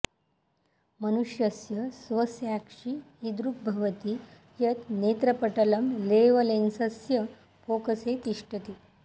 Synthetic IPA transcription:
mənuʂjəsjəsʋəsjakʂiːd̪ɾuk̚bʱɐʋət̪i | jɐt̪net̪ɾɐpəʈɐlɐmleʋɐlensɐsjə | fokəset̪iʂʈət̪i

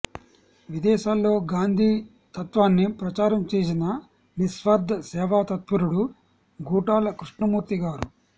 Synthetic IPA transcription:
ʋid̪ɛːʃaːlːo̞ːɡaːnd̪ʱiː | t̪ɐt̪ʋaːnːipɾɐt͡ʃaːɾɐmt͡ʃeːs̬inɐ | nisʋɐɾd̪ʱɐsɛːʋaːt̪ɐt̪̚puɾuɽu | ɡuːʈaːlɐkɾuʂɳɐmuːɾt̪iɡaːɾu

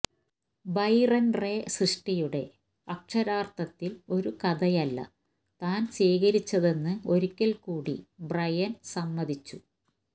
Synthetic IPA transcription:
bɐjrɐnresrɨʂʈɐjuɽe̞ | ɐk̚ʂɐɾaːrt̪ɐt̪ːilo̞ɾukɐd̪ɐjɐlːɐ̰ | t̪aːnsiːɣɐɾit͡ɕːɐðe̞nːɨo̞ɾikʲːɐlkuːɽḭbrɐjɐnsɐmːɐd̪ʱit͡ɕːu

